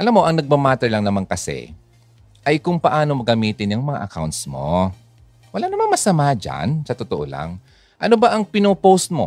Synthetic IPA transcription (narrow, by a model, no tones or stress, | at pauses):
ʔɐlamːo̞ʔɐŋnɐɡ̚mamaːt̪ɛɹlɐŋnɐmaŋkɐsɛ̰ | ʔɐjkʊŋpɐʔaːno̞mɐɡɐmiːt̪ɪnjɐŋmɐŋa̰ʔɐka̰wnt̪smo̞̰ | wɐlanɐmaŋmɐsɐmad͡ʒa̰nsɐt̪ot̪oʔo̰la̰ŋ | ʔɐnobɐʔɐŋpɪnoːpowst̪̚mo̞̰